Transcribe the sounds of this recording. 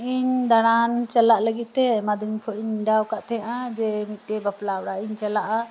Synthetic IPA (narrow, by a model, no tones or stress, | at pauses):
ʔiɲd̪aɽ̃ant͡ʃalaʔləɡit̪̚ˀt̪ɛmad̪iɲkʰɔʔiɲɖawkaʔt̪ʰɛʔad͡ʒɛmit̪̚ˀʈɛbaplawɽaiɲt͡ʃalaʔa